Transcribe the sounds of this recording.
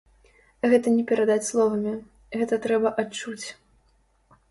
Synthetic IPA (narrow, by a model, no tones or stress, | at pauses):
ɣɛt̪ɐnʲɛpʲɛɾad̪at͡sʲslˠɔvɐmʲi | ɣɛt̪ɐt̪ɾɛbɐʔat͡ʂut͡sʲ